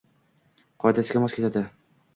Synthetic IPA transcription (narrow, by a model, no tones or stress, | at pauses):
qʰɒjd̪asɡʲamɒskʲet̪ʰad̪ɪ